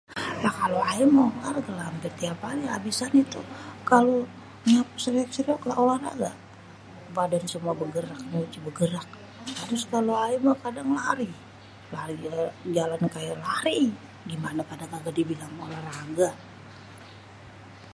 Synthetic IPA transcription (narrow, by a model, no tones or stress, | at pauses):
jakaloaimolarɡalampɪrt̪iapaliabisanit̪ukalo | ɲap̚səɾiɔk̚səɾiɔklaolara̰ɡa | badansəmuabəɡəɾak̚məut͡ʃibəɡəɾak̚ | t̪aɾʊskaloaimakadaŋlaɾi | laɾid͡ʒalankajalaɾi | ɡimanapadaɡaɡadibilaŋolaraɡa